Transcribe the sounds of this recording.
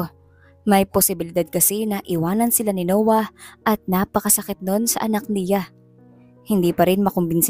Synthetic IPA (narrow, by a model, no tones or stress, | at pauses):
mɐjposɪbɪlɪd̪ad̪̚kɐsɛnɐʔɪwaːnɐnsɪlanɪnoːwɐʔɐt̪̚naːpɐkɐsɐkɪt̪̚no̞nsɐ̰ʔɐnak̚nɪja | hɪnd̪iːpɐɾɪnmɐkʊmbɪns